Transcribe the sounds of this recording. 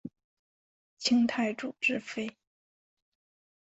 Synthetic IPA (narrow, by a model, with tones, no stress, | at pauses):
t͡ɕʰi˥ŋt̪ʰa˥˩ɪʈ͡ʂu˨˩ʈ͡ʂɻ̩˥fe˥ɪ